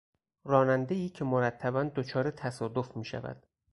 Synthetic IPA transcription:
rɒːnænd̪eiːcʰe̞moɾæt̪ʰːæbænd̪ot͡ʃʰɒːɾe̞t̪ʰæsɒːd̪ofmiːʃæ̰væ̰d̪̥

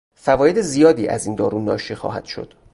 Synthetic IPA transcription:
fævɒːje̞d̪e̞zijɒːd̪iːʔæ̰zind̪ɒːɾunɒːʃixɒ̰ːɦæ̰d̪̥ʃo̞̰d̪̥

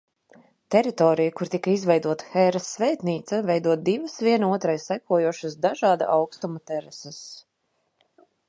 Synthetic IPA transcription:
t̪ɛɾit̪ɔːɾijakuɾt̪ikɐizvɛjd̪uɔt̪ɐ̥xɛɾasːvɛːt̪niːt̪sɐvɛjd̪uɔt̪̚d̪ivɐsvʲiɛnuɔt̪ɾajsækuɔjuɔʃasd̪aʒɑːd̪a̰ʔawkst̪umɐt̪ɛɾɛsɐs

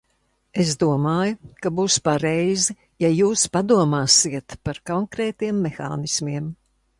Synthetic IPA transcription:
es̬d̪uɔmaːjʊkabuːspaɾɛjzi | jajuːspad̪uɔmaːsiɛt̪paɾkɔŋkɾɛːt̪iɛmːexa̰ːnismiɛm

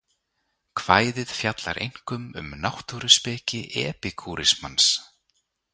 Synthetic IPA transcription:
kʰv̥aːjðɪð̥fjat̪la̰ɾʔejŋ̥kʏmʏ̰mnawht̪uɾʏspɛːcɪʔɛːpɪkʰuːɾɪsmans

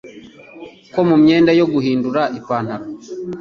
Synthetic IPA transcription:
ko̞mumɲeːndajoɡuɦiːnduɾaʔipaːn̥haɾo

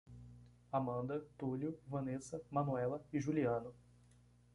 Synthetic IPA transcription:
amɐ̃nd̪ɐt̪uljʊvɐ̃nesɐmɐ̃nuɛlɐɪʒuliɐ̃nʊ

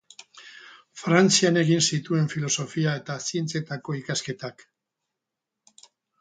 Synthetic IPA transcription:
fɾant͡siane̞ɣinsit̪ue̞ɱfilo̞so̞fiae̞t̪asie̞nt͡se̞t̪ako̞ikaske̞t̪ak

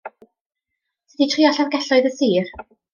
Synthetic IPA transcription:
sʰɛditʰriɔɬavɡɛɬɔɨðəsiːr

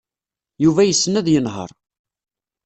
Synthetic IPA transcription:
juvæjəsːənæðjənɦə̰ɾˤ

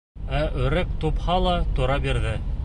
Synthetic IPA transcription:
æʔɵ̆ɾæk̚t̪uphɑlˠɑt̪uɾɑbiɾðɘ

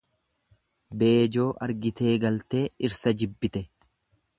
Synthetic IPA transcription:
be̞ːd͡ʒo̞ːʔɐɾɡɪt̪e̞ːɡɐlt̪e̞ːɪɾsɐd͡ʒɪbːɪt̪ɛ

